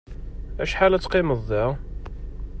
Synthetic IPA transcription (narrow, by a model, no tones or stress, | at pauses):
æ̰ʃħalæt͡sːqɪməðˤːæ